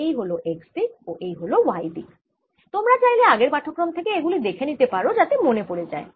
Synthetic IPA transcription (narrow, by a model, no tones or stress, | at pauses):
ejɦoloʔekspikoʔejɦolowajbi | t̪omɾat͡ɕajleaɡeɾpaʈʰːokːɾomt̪ʰekeeɡulid̪ekʰenit̪epaɾod͡ʑat̪emonepoɽed͡ʑa̰e